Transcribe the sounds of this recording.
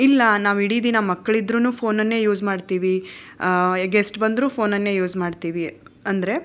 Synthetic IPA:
ilːɐnaːʋiɽid̪inɐmɐkːɐɭid̪ɾuːnuːpʰo̞ːnɐnːe̞ːjuːd͡ʒmaːɖt̪iːʋi | ɡesʈbɐnd̪ɾuːpʰo̞ːnɐnːe̞ːjuːd͡ʒmaːɖt̪iːʋiɐnd̪ɐɾe̞

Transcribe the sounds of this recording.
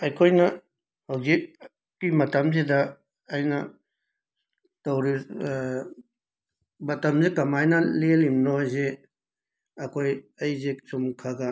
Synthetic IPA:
ɐjkʰojnɐ | hawzik̚ | kːimɐtɐmzedɐː | jnɐ | tɐwɾi | bɐtɐmzekɐmajnɐlelimnojze | ɐkʰojɐjzesumkʰaɡɐ

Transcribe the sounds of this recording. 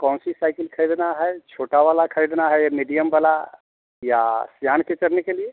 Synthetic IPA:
kɔ̃ːnsisaːɪkəlkʰəɾiːd̪naɦɛt͡ʃʰoːʈaʋaːlakʰəɾid̪naɦɛjmiːɖijəmbala | ja̰sjaːnket͡ʃɐɾnekelie

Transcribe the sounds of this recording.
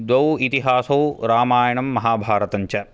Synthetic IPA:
d̪wɐwit̪iɦaːsɐwɾaːmaːjɐɳɐmːɐɦaːbʱaːɾɐt̪ɐɲt͡ʃɐ

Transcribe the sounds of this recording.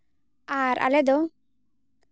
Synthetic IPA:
aɾa̰lɛd̪o

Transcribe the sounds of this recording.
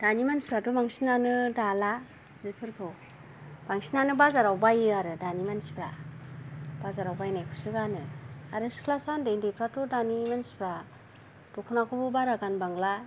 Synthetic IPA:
d̥animansi̥pʰɾatubaŋsinanɯdala | zipʰɯɾpʰɯ | baŋsinanɯbazaɾawbajɯaɾɯdanimansi̥pʰɾa | bazaɾawbajnajkʰusɯɡanɯaɾɯsi̥kʰlasandejndejpʰɾatudanimansi̥pʰɾa | d̥ɔkʰunakʰubɯbaɾaɡanbaŋla

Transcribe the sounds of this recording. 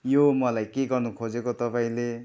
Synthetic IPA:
jomʌlajkeɡʌrnukʰod͡zekot̪ʌpaĩle

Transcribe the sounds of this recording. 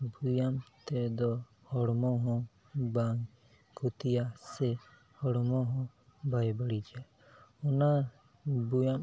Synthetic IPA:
bujamt̪ɛd̪ɔ | hɔɽmɔɦɔ̃ | baŋ | kut̪ijasɛ | hɔɽmɔɦɔ̃ | bajbəɽid͡ʒa | ɔna | bujam

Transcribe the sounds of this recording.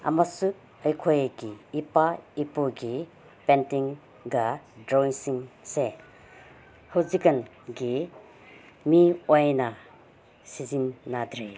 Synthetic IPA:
a̰masuk̚ | ɐjkʰojɡiːpaipoɡi | pentiŋ | ɡadɾonsiŋse | howzikɐn | ɡi | miojna | sizinːad̪ɾe

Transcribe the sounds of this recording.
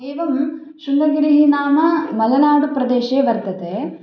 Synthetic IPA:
eːʋɐm | ʃundɐɾɡɐɽiɦinaːmɐmɐlɐnaːɽupɾɐd̪eːʃeːʋɐɾt̪ɐt̪e

